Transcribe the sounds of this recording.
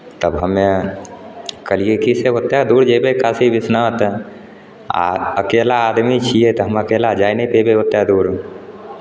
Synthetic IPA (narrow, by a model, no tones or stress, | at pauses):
t̪əbɦəme | kəlijekiseʋət̪ːjad̪uːɾd͡ʒebekaːsiʋɪsnaːt̪ | əkeːlaːd̪mit͡ʃʰiet̪ɦəməkeːlad͡ʒaːjnepebeʋət̪ːjad̪uːɾ